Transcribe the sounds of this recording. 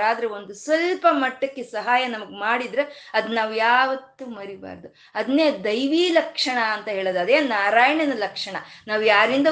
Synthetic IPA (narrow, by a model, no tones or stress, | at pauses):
aːd̪ɐɾeo̞nd̪usʋɐlpɐmɐʈːɐkːesɐɦaːjɐnɐmɐɡemaːɽid̪ɾeɐd̪unaːʋujaːʋɐt̪ːumɐɾiba̰ːɾd̪u | ɐd̪ɐneːd̪ɐjʋiːlɐkʂɐɳɐːnt̪ɐɦe̞ːɭod̪ɐd̪eːnaːɾaːjɐɳɐnɐlɐkʂɐɳɐnaːʋujaːɾind̪ɐ